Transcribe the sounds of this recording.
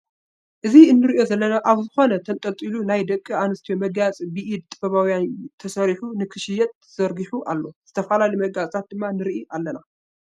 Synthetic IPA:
ʔɨziɨnːɨɾiʔjo̞zɐlːɐnaʔaβzɨxo̞nɐt̪ʰɐnt̪ʼɐlt̪ʼilunajd̪ɐkʼːianɨst̪ijomɐɡat͡sʼibɨʔid̪̚t̪ʼɨbɐβawjant̪ʰɐsɐɾiħunɨkʰɨʃɪjɛt̪̚ | z̥ɐɾɡiħuʔalːo̞z̥ɨt̪ʰɐfalalijmɐɡat͡sʼt̪ʰat̪̚d̪ɨmːanɨɾʔiʔalːɐna

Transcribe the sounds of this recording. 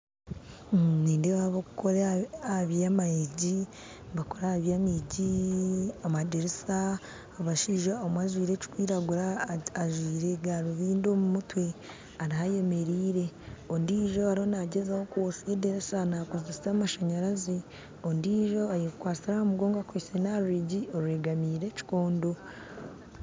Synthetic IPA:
niːndewaβokukoɾaaβijamaiɟi | bakoɾahaβjamiɟi | amadeɾesaː | βaʃiʒaomwaʒwiːɾe̞ci̥kwiːɾaɡuɾaːʒwiːɾe̞ɡaɾuβiːndo̞ːmumutwe̞ | aɾaɦaje̞me̞ɾiːɾe̞ondiːʒo̞aɾiho̞naɟezahokwosedeɾesanakozesamaʃaɲaɾazi | ondiʒo̞ajikwaːt͡siɾaomuɡo̞ːŋɡakwisenaɾuɾiɟioɾue̞ːɡamiːɾe̞ci̥ko̞ːndo̞

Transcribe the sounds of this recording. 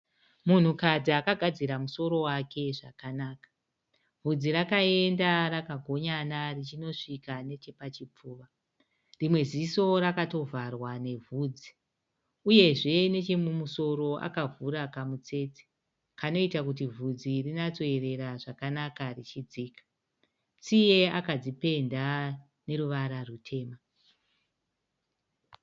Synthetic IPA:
mun̤ukad͡ziakaɡʱad͡ziɾamuso̞ɾo̞wake̞ʐakanaːkḁ | vʱud͡ziɾakae̞ndarakaɡʱo̞ɲanarit͡ʃino̞ʂikane̞t͡ʃe̞pat͡ʃip͡fuːʋa | rimwe̞ziso̞rakato̞vʱarwane̞vʱuːd͡zi̥ | uje̞ʐe̞ne̞t͡ʃe̞mumuso̞ɾo̞ʔa̰kavuɾakamut͡se̞ːt͡si̥ | kano̞itakut̬ivʱud͡zirinat͡so̞e̞re̞ɾaʐakanakarit͡ʃid͡ziːkḁ | t͡sije̞akad͡zipe̞nda | ne̞ɾuʋaɾarutʰe̞ːma

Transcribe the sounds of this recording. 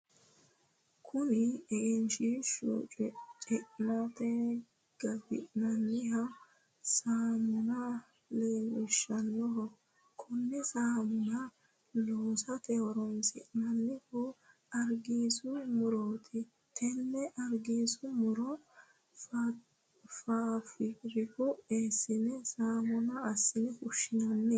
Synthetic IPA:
kʰʊnɪɛʔɛnʃɪʃṵt͡ʃʼt͡ʃʼɛʔnɐt̪ɛ | ɡ̥ɐbɪ̰ʔnɐnːɪɦɐ | saːmʊnɐ | leːwɛʃːɐnːɔɦɔ | kʰʊnːɛsaːmʊnɐ | loːsɐt̪ɛhɔɾɔnsɪ̰ʔnɐnːɪhʊ | ɐɾɡiːsʊmʊɾoːt̪ʰɪ | t̪ʰɛnːɛʔɐɾɡiːsʊmʊɾɔ | faːfɪɾɪfɔeːsːɪnɛsaːmɔnɐːsːɪnɪkʊʃɪnɐnːɛ

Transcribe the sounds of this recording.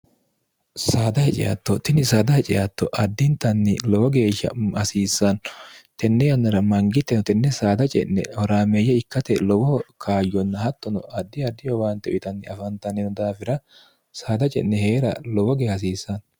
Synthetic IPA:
saːd̪ɐhɛt͡ʃʼɪ̰ja̰t̪ːɔt̪ɪnɪsaːd̪ɐhɛt͡ʃʼɪjat̪ːɔʔɐd̪ːɪnt̪ːɐnːɪlɔwɔɡe̞ːʃːɐ̰ɐsiːsːɐnt̪ɛnːɛjɐnːɐɾɐmɐŋɡɪt̪ːɛnt̪ɛnːɛsaːd̪ɐt͡ʃʼɛ̰nːɛ̰hɔɾaːmejːɐɪkːɐt̪ɛlɔwɔkʰaːjːɔnːɐhɐt̪ːɔnɔɐd̪ːɪjɐd̪ːɪjɔwaːnt̪ːɛʊʔɪt̪ɐnːɪɐfɐnt̪ɐnɛnɔd̪aːfɪɾɐ | saːd̪ɐt͡ʃʼɛ̰nːɛheːɾɐlɔwɔɡeːɐs̬iːsːɐn

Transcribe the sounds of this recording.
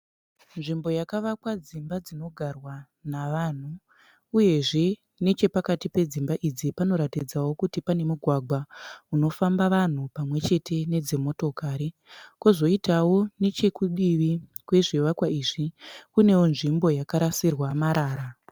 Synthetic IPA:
nʐimbo̞jakaʋakwad͡zimbad͡zino̞ɡʱarwa | naʋan̤u | uje̞ʐe̞ | ne̞t͡ʃe̞pakatipe̞d͡zimbaʔid͡zipano̞ɾatid͡zawo̞kutipane̞muɡʱwaɡwauno̞fambaʋan̤upamwe̞t͡ʃe̞tʰe̞ne̞d͡zemo̞to̞kaːɾi | kozo̞itawo̞ne̞t͡ʃe̞kuɓiʋi | kwe̞ʐiʋakwaiʐikune̞wonʐimbo̞jakaɾasirwamaɾaːɾa

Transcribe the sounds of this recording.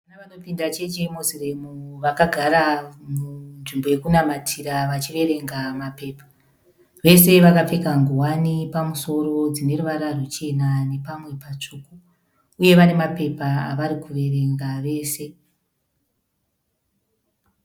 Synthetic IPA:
anaʋano̞pindat͡ʃet͡ʃemoziremuʋakaɡʱaɾamunʐimbo̞je̞kunamatʰiɾaʋat͡ʃiʋe̞ɾe̞ŋɡamape̞ːpḁ | ʋe̞se̞ʋakap͡fekaŋɡuwanipamuso̞ɾo̞d͡zine̞ɾuʋaɾarut͡ʃe̞nane̞pamwe̞pat͡ʂuku | uje̞ʋanemape̞pa̰ːʋaɾikʰuʋe̞ɾe̞ŋɡaʋe̞ːse̞

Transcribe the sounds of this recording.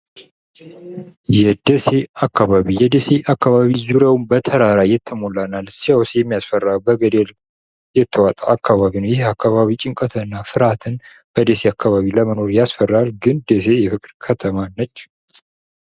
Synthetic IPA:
jɛd̪ese̞akːaβaβijɛd̪ese̞ʔakːaβaβizuɾawmbət̪ʰəɾaɾajɛt̪ʰːəmolanalsijawsjɛmːijasfərːabəɡəd̪el | jɛt̪ʰːəwat̪ʼaʔakʰːaβaβinəwjɪhakʰːaβaβit͡ʃʼɪŋkʼət̪ʰənːafɨɾat̪ʰɨn | b̥əd̪ese̞akʰːaβaβiləməno̞ɾjasfərːaɾɡɨnd̪es̬e̞jɛfɨkʼɾkʰət̪ʰəmanːət͡ʃː

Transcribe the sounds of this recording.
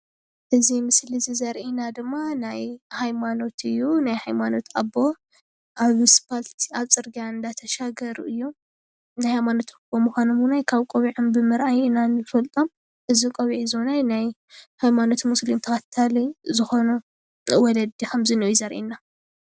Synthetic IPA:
ʔɨzimɨslizizɐɾʔinad̪ɨmːanajhajmano̞t̪ʰɨjːunajhajmano̞t̪a̰bːo̞ | ʔaβspʰalt̪ʰiaβt͡sʼɨɾɡijaɨnd̪at̪ʰɐʃaɡɐɾṵʔɨjːu | najhajmano̞t̪bɐmuxʷanomunajkʰaβkʼoβiʕombɨmɨɾʔajɨnanɨfɐlt̪ʼom | ʔɨzikʼɐβiʕiznajnaj | hajmano̞t̪muslimt̪ʰɐxat̪ʰːalizɨxo̞nu | wɔlɐd̪ikʰɐmzɨnojizɐɾʔḭna

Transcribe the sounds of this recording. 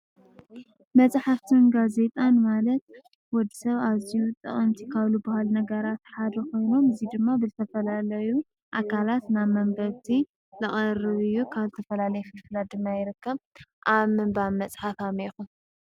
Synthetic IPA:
mɐt͡sʼħaft̪ʰɨnɡaze̞t̪ʼanmalɐt̪̚ | wɔd̪isɐβazijut̪ʼɐ̰χʼɐmt̪ʰikʰaβlubahalnɐɡɐɾat̪ħad̪ɐko̞jno̞mɨzid̪ɨmːabɨzɨt̪ʰɐfɐlalɐju | ʔakʰalat̪naβmɐmbɐɾt̪ʰi | lɨχʼɐrɨβɨjːukʰaβzɨt̪ʰɐfɐlalɐjɛfɨlfɨlad̪ɨmːajɪɾɨkːɐβʔaβmɨmbaβmɐt͡sʼħafamixun

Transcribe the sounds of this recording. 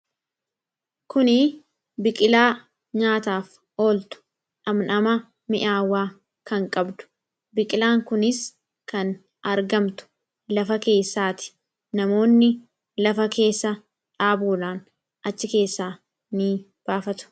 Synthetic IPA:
kʊnɪ | bɪkʼɪlaː | ɲaːt̪aːf | o̞ːlt̪ʊ̥ | ʔɐmnɐmɐ | mɪʔaːwːaː | kɐŋkʼɐbd̪ʊ̥ | bɪkʼɪlaːŋkʊnɪs | kɐn | ʔɐɾɡɐmt̪ʊ̥ | lɐfɐke̞ːsːaːt̪ɪ̥ | nɐmo̞ːnːɪ | lɐfɐke̞ːsːɐ | ᶑaːbuːlaːn | ʔɐt͡ʃːɪke̞ːsːaː | nɪ | b̥aːfɐt̪ʊ̥

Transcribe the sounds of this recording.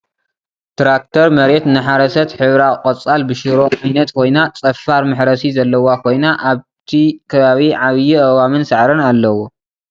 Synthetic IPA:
t̪ɾak̚t̪ʰɐɾmɐɾet̪nɨħaɾɐsɐt̪ħɨβɾaqʼɐt͡sʼalbɨʃɨɾoʔajnɐt̪kʰo̞jnat͡sʼɐfːaɾmɨħɾɐsizɐlːɐwakʰo̞jnaʔaβt̪ʰikʰɐβaβiʕaβjiʔɐwamɨnsɨʕɾɨnalːɐwo

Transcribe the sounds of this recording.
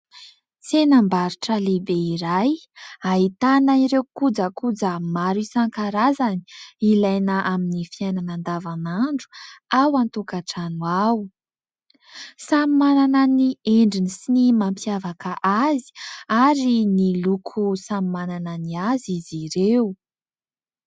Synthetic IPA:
t͡senambaɾiʈ͡ʂəlebeiɾajait̪anaiɾewkud͡zakud͡zəmaɾisaŋkaɾazani̥ilajnaʔaminifiajnanand̪avanaɳɖ͡ʐu̥awant̪ukaʈ͡ʂanuaw | samimanananieɳɖ͡ʐinisinimampjavakaʔazi̥aɾinilukʰusamimanananiaziziɾewu

